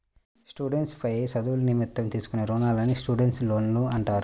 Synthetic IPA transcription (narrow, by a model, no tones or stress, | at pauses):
sʈuːɖeɳʈspɐjesɐd̪uwulunimit̪ːɐmt̪iːsu̥kuneɾoːnaːlɐnːisʈuːɖeɳʈslo̞ːnluɐɳʈaːɾu